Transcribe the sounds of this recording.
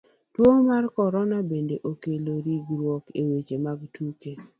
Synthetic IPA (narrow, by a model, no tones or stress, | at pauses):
twoŋmarkɔɾɔnabendeʔokeloɾiɡɾwɔkewet͡ʃemaɡtʰuke